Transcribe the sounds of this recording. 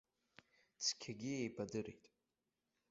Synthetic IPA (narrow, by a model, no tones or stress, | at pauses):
t͡sʰkʲʰaɡʲiejbʰadɨɾḛjtʼ